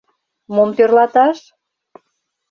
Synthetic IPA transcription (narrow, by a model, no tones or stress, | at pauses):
momt̪ørlɑt̪ɑʃ